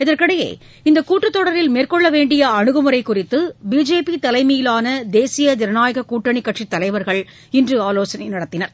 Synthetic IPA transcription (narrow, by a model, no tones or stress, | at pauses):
ɪðɐɾkɪɽɐjḛː | ɪnd̪ɐkuːʈrɐt̪ːɔɽɐɾɪlmeːrkɔɭːɐʋeːɳɖɪjɐɐɳɯɣɯmɯɾɐɪkʊrɪt̪ːɯbiːd͡ʒeːpit̪ɐlɐɪmijɪlaːnɐd̪eːsɪjɐd̪ɪɾɐnaːjɐɣɐkuːʈːɐɳɪkːɐʈʂit̪ːɐlɐɪʋɐɾɣɐɭ | ɪndrɯaːloːsɐnɐɪnɐɽɐt̪ːɪnɐɾ